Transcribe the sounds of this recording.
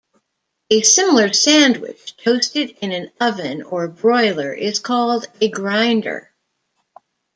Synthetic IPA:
ɨsɪ̃ml̩ˠə˞sæ̃ndwɪ̰t͡ʃtʰoʊstɨɾɪ̃nɨ̃nʌvɨ̃nə˞bɹɔɪlˠə˞ʔɪz̥kʰɔlˠdɨɡɹãɪ̃ndə̰˞

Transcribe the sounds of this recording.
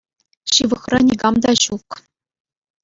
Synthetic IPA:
ɕɯʋɤ̆χrɑnʲiɡɑmd̪ɑɕuk

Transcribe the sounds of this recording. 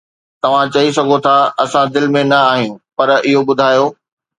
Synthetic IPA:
t̪ɐʋ̤ãt͡ɕɐis̬ɐɡʱot̪ʰaɐsãd̪ɪlɪ̆mẽnɐaːɦijũpɐɾɪɦobʊd̪ʱaːjoː

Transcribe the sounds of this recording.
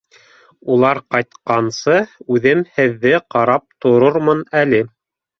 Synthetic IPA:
ulˠɑɾqɑjt̪qɑnsɤʉðɘmhɘ̆ðːɘqɑɾɑp̚t̪ŏɾoɾmɤnælɘ

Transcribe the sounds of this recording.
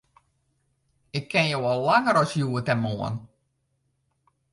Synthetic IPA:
ɪkʰːɛnjəwɑlːaŋəɾɑlsjuːətɛnmoə̰n

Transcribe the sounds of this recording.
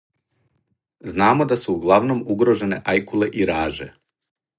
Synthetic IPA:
znaːmo̞d̪asuːɡlˠaʋno̞muɡɾoʒe̞ne̞ʔajkule̞ʔiɾaːʒḛ

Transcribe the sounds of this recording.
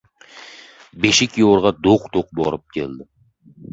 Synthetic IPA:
beʃɪkʲjoɾʁɑd̪oqt̪ʰoqbɒɾɪp̚kʲʰeld̪ɪ

